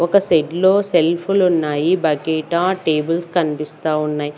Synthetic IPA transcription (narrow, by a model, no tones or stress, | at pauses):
ɔkɐseɖlo̞ːselpʰulunːaːjibɐkeːʈaːʈeːbɐlskɐnipist̪aːunːaːji